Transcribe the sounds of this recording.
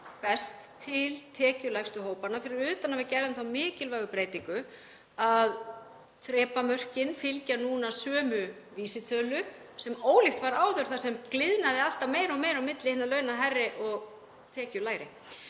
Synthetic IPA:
pɛst̪ʰːɪlt̪ʰɛːcʏlajxst̪ʏɦoːwpanafɪɾɪɾʏːt̪anavɪðcɛɾðʏmθawmɪːcɪlvajɣʏpɾeːjt̪iŋkʏ | að | θɾɛːpamœr̥cɪnfɪlcanuːnasœːmʏ | viːsɪt̪ʰœːlʏ | sɛmoːwlɪxt̪vaɾaːwðœɾ̥θasɛmklɪðnaðɪal̥t̪ameːjɾawmejɾawmɪt̪lɪhɪnːalœːɥnaɦɛrːɪʔɔɣ | t̪ʰɛːcʏlaːjɾɪ̰

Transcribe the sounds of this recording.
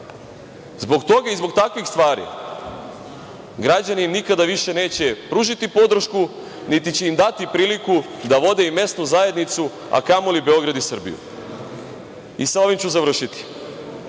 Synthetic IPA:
zbo̞ɡt̪o̞ɡaizbo̞ɡt̪akʋixst̪ʋaːɾḭ | ɡɾad͡ʑaninikad̪aʋiʃe̞ne̞ːt͡ɕe̞pɾuʒit̪ipo̞d̪r̩ʃku | nit̪it͡ɕe̞imd̪at̪ipɾiːliku | d̪aʋo̞d̪e̞ime̞st̪nuzae̞d̪nit̪su | a̰kamolibe̞o̞ɡɾad̪isr̩bḭjṵ | isaoʋimt͡ɕuzaʋɾr̩ʃit̪i̥

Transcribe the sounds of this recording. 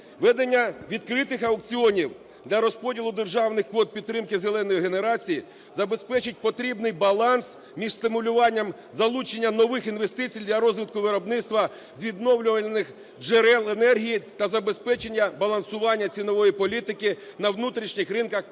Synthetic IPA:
ʋɛd̪enʲːɐʋʲid̪kɾɪt̪ɪxɐwk̚t͡sʲiɔnʲiw | d̪lʲɐɾɔspɔdʲilˠʊd̪e̞rʒɑwnɪxkʋɔt̪̚pʲid̪t̪ːɾɪmkɪzelˠɛnɔjiɦe̞ne̞ɾɑt͡sʲiji | zɐbe̞spɛt͡ʃɪt̚ʲpɔt̪ɾʲibnɪjbɐlˠɑns | mʲiʒst̪ɪmʊlʲʊʋɑnʲːɐm | zɐlˠut͡ʃenʲːɐnɔʋɪxinʋe̞st̪ɪt͡sʲijd̪lʲɐɾɔzʲʋʲit̪̚kʊʋɪɾɔbnɪt̪st̪ʋɐ | zʲʋʲid̪nɔwlʲʊʋɐnɪx | d͡ʒeɾɛlˠenɛrɦʲijit̪ɐzɐbe̞spɛt͡ʃenʲːɐbɐlˠɐnsʊʋɑnʲːɐt͡sʲinɔʋɔjipɔlʲit̪ɪkɪnɐwnut̪ɾʲiʃnʲixɾɪnkɐx

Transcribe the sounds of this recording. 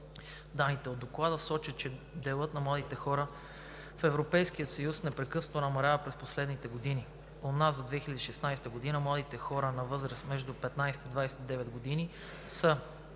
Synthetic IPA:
d̪anːit̪ɛod̪ːoklˠad̪əsɔt͡ʃət̪̚t͡ʃɛd̪ɛlˠɤt̪nɐmlˠad̪it̪ɛxɔɾə | fɛvɾopɛjsk̟ijət̪sɐjusnɛpɾɛkɤsnonɐmɐlʲavəpɾɛsposlɛd̪nit̪ɛɡod̪ini | onazzɐd̪vɛxilʲɛd̪iːʃɛsnajst̪əɡod̪inəmlˠad̪it̪ɛxɔɾənɐvɤzɾəsmɛʒd̪upɛt̪najsɛ̥t̪id̪vajsɛt̪id̪ɛvɛt̪ɡod̪ini | sə

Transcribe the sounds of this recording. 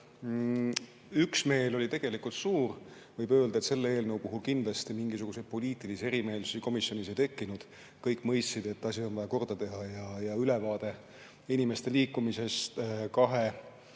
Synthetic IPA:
yksme̞ːlo̞lʲit̪e̞ɡ̥elikult̪suːr | vɤjbø̞ːld̪ɑet̪se̞lːeeːlnəwpuɦulkind̪lɑst̪imiŋɡisuɡ̥used̪̥̚po̞liːt̪ilise̞ɾime̞ːlsu̥siko̞misjo̞niset̪e̞kːinud̪̥ | kɤjkːˑmɤjst̪sid̪e̞t̪ːɑsʲio̞nvɑjɑko̞rd̪ɑt̪e̞ɦɑjɑjɑylevɑːd̪̥e̞ | inime̞st̪e̞liːkːˑumisest̪kɑɦe̞

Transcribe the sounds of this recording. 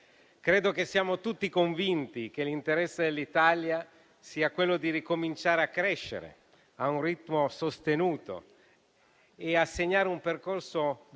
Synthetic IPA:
kɾeːd̪ok̟esːiaːmot̪ut̪ːikoɱvint̪ik̟elint̪eɾɛsːed̪elːit̪alja | siːakwelːod̪iɾikomint͡ʃaːɾeakːɾɛʃːḛɾḛ | aunrit̪mosost̪enuːt̪o̰ | easːeɲːaːɾeumperkorso

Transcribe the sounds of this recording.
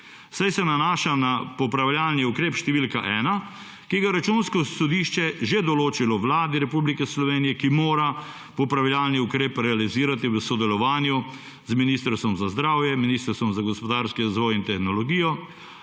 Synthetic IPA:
sajsɛnanaːʃanapɔpɾaʋlʲjaːlniukɾeːpʃt̪ɛʋiːlkaʔɛːna | kiɡajɾat͡ʃunskɔsɔd̪iːʃt͡ʃɛʒed̪ɔloːt͡ʃilɔʋlaːd̪iɾɛpublikɛslɔʋeːnijɛkimoːɾa | pɔpɾaʋlʲjalniukɾeːpɾɛaliziːɾat̪iʋəsɔd̪ɛlɔʋaːnju | zminiːst̪əɾst̪ʋɔmzazd̪ɾaːwjɛminiːst̪əɾst̪ʋɔmzaɡɔspɔd̪aɾskiɾazʋɔːjint̪ɛxnɔlɔɡiːjɔ

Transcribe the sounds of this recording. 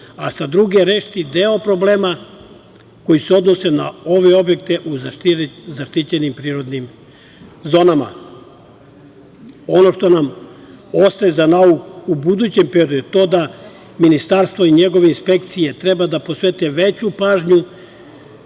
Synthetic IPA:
asad̪ɾuɡe̞ɾeʃt̪id̪eo̞pɾo̞ble̞ːma | ko̞jiseo̞d̪no̞se̞nao̞ʋe̞o̞bje̞k̚t̪e̞ʔuzzaʃt̪it͡ɕenimpɾiːɾo̞d̪nim | zo̞nama̰ | o̞no̞ʃt̪o̞nam | o̞st̪ajezanaukuubud̪ut͡ɕe̞mpɾeod̪ut̪o̞ːd̪a | minist̪aɾst̪ʋo̞iɲe̞ɡo̞ʋeinspe̞kt̪sije̞t̪ɾe̞bad̪aposʋet̪eʋe̞t͡ɕupaːʒɲu

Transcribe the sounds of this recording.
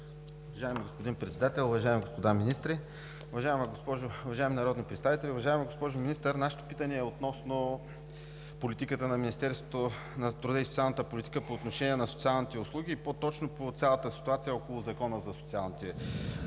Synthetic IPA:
ʊvɐʒaɛmiɡospod̪inpɾɛt̪sɛd̪at̪ɛlˠʊvɐʒaɛmiɡospod̪aminist̪ɾi | ʊvɐʒaɛmɐɡospɔʒʊʊvɐʒaɪɛminɐɾɔd̪nipɾɛt̪st̪avit̪ɛlʲiʊvɐʒaɛmiɡospɔʒʊminist̪əɾnaʃɛ̥t̪o̥pit̪ənɛɛot̪nɔsno | polit̪ikət̪ənɐminist̪ɛɾsvot̪o | nɐt̪ɾud̪aisot̪sʲialˠnət̪əpolʲit̪ikəpoːt̪noʃɛnʲiɛnɐso̥t̪ialˠnit̪ɛʊslˠuɡiːpot̪ɔt͡ʃnopot̪sʲjalˠɐt̪əsi̥t̪uat̪sijəɔkolˠʊzɐkɔnəzɐsot̪sialˠnit̪ɛ

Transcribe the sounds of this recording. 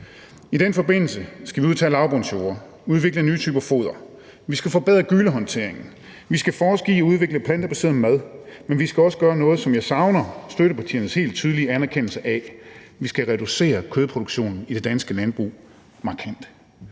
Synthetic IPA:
id̥enfɒ̽be̝n̰l̩səsɡ̥æʋiuð̞ˠt͡sʰɛ̰ːlɑ̈ʊb̥onɕo̝ːɐ | uð̞ˠʋe̝ɡ̥lənyːt͡sʰy̰ːb̥æfo̝̰ːð̞ˠɐ | ʋisɡ̥æfɒ̽b̥eð̞̰ˠʁɐɡ̥yləɦɒ̽nt͡sʰe̝ɐ̰e̝ŋn̩ | ʋisɡ̥æfɒːsɡ̥ḭːɒ̽uð̞ˠʋe̝ɡ̥ləpʰlænd̥əb̥æse̝ɐð̩ˠmæðˠmenʋisɡ̥æɒ̽sə̥ɡ̥ɶːɐnɔ̽ːð̞̩ˠsɒ̽mjɑ̈ɪsɑ̈ʊnɐsd̥øɾəpʰæt͡sʰḭɐn̩əshe̝̰ːld̥̚t͡sʰyːð̞ˠliəænæɐkʰen̰l̩səʔæʋisɡ̥æʁɛd̥use̝̰ːɐkʰøðˠpʰʁo̝d̥uɡ̥ɕo̝̰ːnn̩id̥e̝d̥ænsɡ̥əlænb̥ʁṵː | mɑ̈ːkʰæn̰d̥

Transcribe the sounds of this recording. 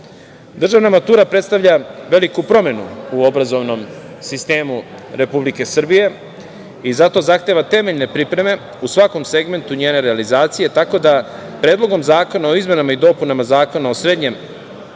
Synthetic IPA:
d̪r̩ʒaʋnamat̪uːɾapɾet̪st̪aʋʎaʋe̞likupɾo̞me̞nṵuo̞bɾazo̞ʋno̞m | sist̪e̞ːmu | ɾe̞publike̞sr̩bije̞ | izat̪o̞zaxt̪eʋat̪e̞meʎne̞pɾipɾe̞me̞ | usʋako̞mse̞ɡme̞nt̪uɲeːne̞ɾealizaːt̪sije̞t̪ako̞d̪apɾe̞ːd̪lˠo̞ɡo̞mzaːko̞nao̞izme̞namaid̪o̞punamazaːko̞nao̞sɾe̞d̪ɲe̞m

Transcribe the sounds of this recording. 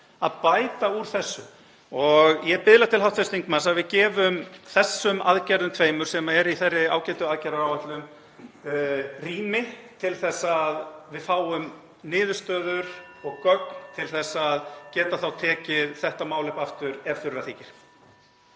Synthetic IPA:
a̰ðpaːjt̪auɾ̥θɛsːʏ | ɔɣjɛpɪðlat̪ʰɪlawt̪fɛst̪iŋkmansaðvɪðcɛːvʏmθɛsːʏma̰ðcɛɾðʏmt̪ʰveːjmʏɾ̥sɛmaɛɾiθɛrːɪa̰ːwcɛlt̪ʏaðcɛɾaɾawvat̪lʏm | riːmɪt̪ʰɪlθɛsːaðvɪðfaːwʏm | nɪːðʏst̪œːðʏɾ | ɔɣkœknt̪ʰɪlθɛsːaðcɛːt̪aθawt̪ʰɛːcɪðθɛht̪amaːwlɛhpaft̪ʏɾɛɾθʏɾːaθiːcɪɾ̥

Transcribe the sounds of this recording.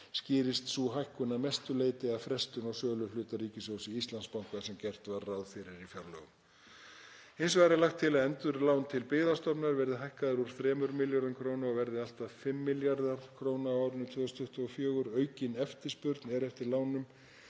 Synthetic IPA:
scɪːɾɪst̪suɦajhkʏnamɛst̪ʏleːjt̪ɪaðfɾɛst̪ʏnɔwsœːlʏlʏːt̪ariːcɪsowsɪist̪lanspawŋkasɛmcɛr̥t̪varːawðfɪɾɪɾifjaɾlœ̰ːɣʏm | ensvaːɾalaxt̪ʰːɪlaðɛnt̪ʏɾlaːwnt̪ʰɪlpɪːɣðast̪ɔpnaɾvɛɾðɪɦajhkaðɪɾuɾ̥θɾɛːmʏɾmɪljaɾðankʰɾownaɔɣvɛɾðɪal̥t̪aðfɪmːɪljaɾðaɾ̥kʰɾoːwnawaːwɾʏnʏmt̪ʰʏːðɔst̪ʰʏht̪ʏɔfjœːɣʏɾœːɥcɪnɛft̪ɪspʏɾt̪nɛɾɛft̪ɪɾlaːwnʏm

